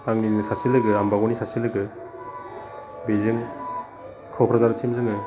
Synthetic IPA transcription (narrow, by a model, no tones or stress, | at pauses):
pʰaŋninɯsasilɯɡɯambaɡɔnisasilɯɡɯ | bezɯŋ | kʰɔkʰɾazaɾsʰimzɯŋɯ